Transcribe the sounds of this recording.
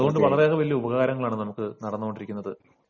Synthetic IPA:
ɐðuɣo̞ɳɖɨʋɐɭɐreɣɐʋɐlijɐubɐɣaːɾɐŋːɐɭaːɳɨnɐmukːɨnɐɽɐnːuɣo̞ɳɖiɾikʲːunːɐðɨ

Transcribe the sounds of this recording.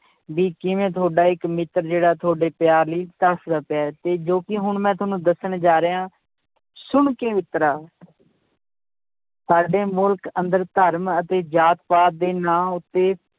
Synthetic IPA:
ʋiːkɪʋẽːt̪ʰoːɖaːɪkmɪt̪ɾd͡ʒeːɽaːt̪ʰoːɖeːpjaːɾliːt̪əsd̪aːpjaːɛt̪eːd͡ʒoːkɪɦʊɳmɛ̃ːt̪ʰʊːnũːd̪əsəɳd͡ʒaːɾeːãː | sʊɳkeːʋɪt̪ɾaː | saːɖeːmʊlkənd̪əɾt̪əɾmət̪eːd͡ʒaːt̪paːt̪̚d̪eːnãːʊt̪ːeː

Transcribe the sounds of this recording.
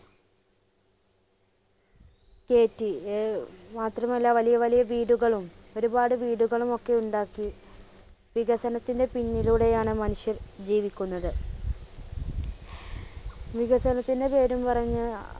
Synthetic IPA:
ke̞ːtːi | maːt̪rɐmɐlːɐʋɐlijɐʋɐlijɐʋiːɽuɣɐɭumo̞ɾubaːɽɨʋiːɽuɣɐɭumo̞kːe̞uɳɖaːkːi | ʋiɣɐsɐnɐt̪ːinde̞piɲːiluɽe̞jaːɳɨmɐnuʂjɐrd͡ʑiːʋikʲːunːɐðɨ | ʋiɣɐsɐnɐt̪ːinde̞pe̞ːɾumpɐrɐɲːɨ

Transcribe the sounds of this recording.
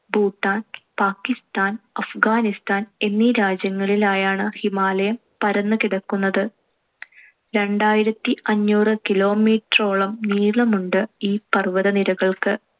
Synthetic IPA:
buːt̪ːaːnpaːkːist̪aːnɐfɡaːnist̪aːne̞nːiɾaːd͡ʑjɐŋːɐɭilaːjaːɳɨhimaːlɐjɐm | pɐɾɐnːɨkiɽɐkːunːɐðɨ | ɾe̞ɳɖaːjiɾɐt̪ːiʔɐɲːuːrɨkilo̞ːmiːʈro̞ːɭɐmniːɭɐmuɳɖɨiːpɐrʋɐðɐniɾɐɣɐɭkɨ

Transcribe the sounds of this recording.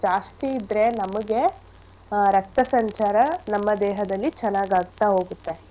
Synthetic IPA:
d͡ʒaːst̪iːd̪ɾe̞nɐmɐɡe | ɾɐk̚t̪ɐsɐɲt͡ʃaːɾɐnɐmːɐd̪ɛːɦɐd̪ɐlːit͡ʃɛnːaːɡaːɡt̪ːaɦo̞ːɡut̪ːe

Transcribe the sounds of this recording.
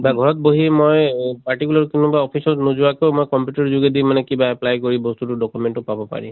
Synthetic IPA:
baɡʱɔɹɔt̚boɦimojpaɹtikulaɹkinubaɔpʰisɔtnuzʊwakoʊmojkɔmpjutɔɹzuɡedimanɛkibaɛplajkoɹibɔst̪utʊdɔkumɛntʊpabɔpa̰ɹḭ

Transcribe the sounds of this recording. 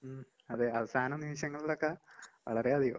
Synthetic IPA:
ɐðeɐʋɐsaːnɐmniʋiɕjɐŋːɐɭilokːeʋɐɭɐɾeɐðijo̰

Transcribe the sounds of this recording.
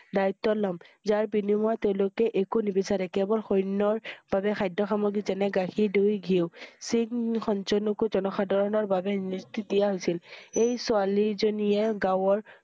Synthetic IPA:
daɹit̪ːɔlɔmzaɹbinimʊateʊ̃lokɛʔekunibisaɾɛkɛbɔlxojnːɔɹb̥abɛxajdɔxamoɡizɛnɛɡaxʰidojɡʱisiŋxɔnt͡ʃɔnukuzɔnɔxadʱɔɹɔnɔɹbabɛnistidijaɦojsilejsʊalizonijɛɡawɔɹ

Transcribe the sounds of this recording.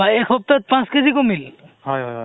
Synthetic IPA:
aekʰɔp̚t̪ɔt̪̚pãskezikomilhɔjɦɔjɦɔ

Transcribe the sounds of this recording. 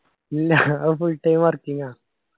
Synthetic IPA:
lːaəfulʈajmaɾkiŋa

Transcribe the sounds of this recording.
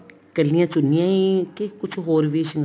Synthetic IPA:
kelĩãt͡ʃunj̃ãĩkekut͡ʃuɦoɾβiʃiŋ

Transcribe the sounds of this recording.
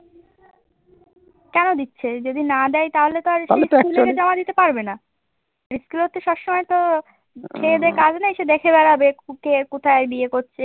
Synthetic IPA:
kɛnod̪itːɕʰed͡ʑod̪inad̪ɛjt̪aɦolet̪oaɾɾisulked͡ʑɔmad̪it̪epaɾbena | ɾiskulɦot̪ʰːeʃɔbʃɔmɔet̪o | kʰeed̪eɾkad͡ʑnaeʃed̪ekʰebɛɾabekekot̪ʰajebiekoɾːɕʰe

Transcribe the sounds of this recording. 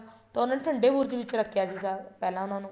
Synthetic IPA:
t̪aːʊnaːʈʰəɳɖeːbuːɾd̪iːʋɪt͡ʃɾəkʰːjaːsiːsaːɾpɛːlãːʊnãːnũː

